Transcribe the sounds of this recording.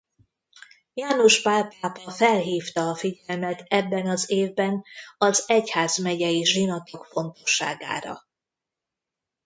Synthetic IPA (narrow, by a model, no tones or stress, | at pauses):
jaːnoʃpaːpaːpɒfɛlɦiːft̪ɒːfiɟɛlmɛt̪ɛbːɛnɒzeːvbɛnɒzɛchaːzmɛɟɛjiʒinɒt̪o̞kfo̞nt̪o̞̥ʃːa̰ːɡa̰ːɾɒ̰